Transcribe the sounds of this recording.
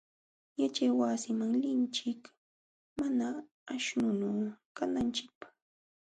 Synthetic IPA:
jat͡ʃajwasɪmaŋlɪnt͡ʃɪk | manaː | ʃnʊnukanant͡ʃɪk̚pḁ

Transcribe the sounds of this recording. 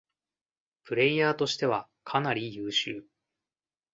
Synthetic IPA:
pɯ̟ɾe̞iaːt̪o̞ɕi̥t̪e̞βa | kʰanaɾʲijɯːɕɨː

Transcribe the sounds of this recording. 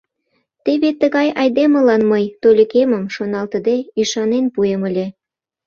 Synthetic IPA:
t̪eβet̪əɣɑjɑjd̪emə̆lɑnməjt̪olʲə̆keməmʃonɑlt̪ə̆d̪eiʃɑnenpuemə̆lʲe

